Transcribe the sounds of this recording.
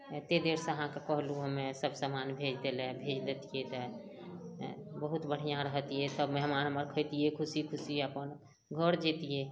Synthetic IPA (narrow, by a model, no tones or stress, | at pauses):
t̪ed̪eɾsẽəɦãkekəɦluɦəmesəbsəmanbʱed͡ʒd̪elɛbʱed͡ʒd̪et̪ijet̪ə | bəɦut̪bəɽ̤ijãɾəɦt̪ijɛt̪əbmɛɦmanɦəməɾkʰəjt̪iekʰusikʰusiəpən | ɡʱəɾd͡ʒet̪ije